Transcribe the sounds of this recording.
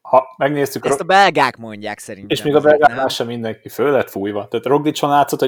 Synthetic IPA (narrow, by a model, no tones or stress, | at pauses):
hɒmɛɡneːst̪ykt̪ɒbɛlɡaːkmo̞ɲɟa̰ːksɛɾineːʃmeːɡɒbɛlɡaːlaːʃɒmind̪ɛŋkiføːlɛt̪fuːjvɒt̪ɛːt̪ro̞ɡd̪it͡ʃo̞nlaːt̪so̞t̪ho